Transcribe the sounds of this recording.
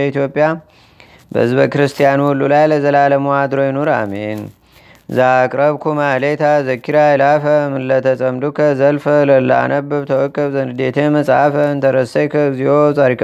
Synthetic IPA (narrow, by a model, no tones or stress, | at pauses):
it̪jo̞pʼːija | bə̰hɨzbəkɨɾɨst̪ʰijanhulːulajləzəlaləmuwad̪ɾojɪnoɾa̰men | zakʼɾəβkʰumalet̪ʰazəkʰːiɾajɛlafəmɨlːət̪ʰəsʼəmd̪ukʰəzəlfələlːa̰nəbɨβt̪ʰəwɔkʼːəβzənd̪d̪et̪ʰeməsʼafəɨnt̪ʰəɾəsekʰəzihot̪ʼaɾik